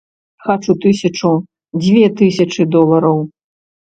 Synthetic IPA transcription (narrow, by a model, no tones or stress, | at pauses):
xat͡ʂut̪ɨsʲɐt͡ʂu | d͡zʲvʲɛt̪ɨsʲɐt͡ʂɨd̪ɔlˠɐɾɐw